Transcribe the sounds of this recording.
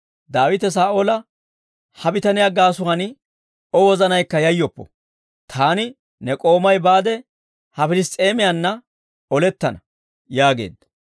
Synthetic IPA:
d̪aːwɪt̪ɛs̬aːʔoːlɐ | hɐbɪt̪ɐnɪjaɡaːsʊhɐnɪ | ɔwɔzɐnɐjkːɐjɐjːɔpːɔ̥̰ | t̪ʰaːnɪ | nɛkʼo̞ːmɐjbaːd̪ɛ | hɐfɪlɪst̪ʼe̞ːmɪjɐnːɐ | ɔlɛt̪ːɐnɐ | jaːɡe̞̰ːd̪ːɐ

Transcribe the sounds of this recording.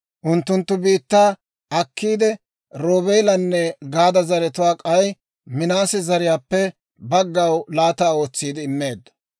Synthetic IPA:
ʔʊnt̪ːʊnt̪ːʊbiːt̪ːaː | ɐkːiːd̪ɛ | ɾoːbɛjlɐnːɛɡaːd̪ɐzɐɾɛt̪ʊwaːkʼɐj | mɪnaːsɛzɐɾɪjaːpːɛ | bɐɡːɐwlaːt̪aːo̞ːt͡sːiːd̪ɪɪmːeːd̪ɐ

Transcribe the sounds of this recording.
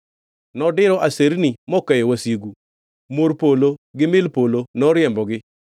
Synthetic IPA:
nɔdɪɾɔʔaseɾnimɔkɛjɔwasjeɡu | moɾpoloɡɪmɪlpolonɔɾjɛmbɔɡɪ

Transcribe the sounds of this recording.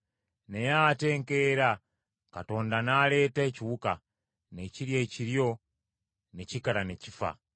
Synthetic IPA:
nejaːte̞ːŋke̞ɾa | kato̞ːndanale̞ːtaeciβuka | ne̞ciɾje̞ciɾjo̞ | ne̞cikaɾane̞cifa̰

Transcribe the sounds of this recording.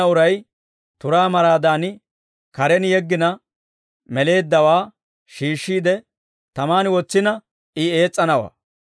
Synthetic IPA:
ɐʊɾɐj | t̪ʊɾaːmɐɾaːd̪aːnɪ | kɐɾɛnjɛɡːɪnɐ | mɛle̞ːd̪ːɐwaː | ʃiːʃːiːd̪ɛ | t̪ɐmaːnɪwɔt͡sːɪnɐ | ɪe̞ːt͡sʼːɐnɐwa̰ː

